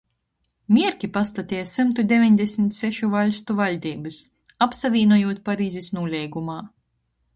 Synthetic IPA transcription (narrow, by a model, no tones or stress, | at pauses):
mʲiɛɾkʲipast̪at̪ʲijsɨmt̪ud̪ʲevʲiɲd̪ʲesmit̪sɛʃuvaʎʲst̪uvalʲd̪ʲiːbɨs | apsavʲiːnuɔjuːt̪̚paɾiːzisnuːlʲɛjɡumaː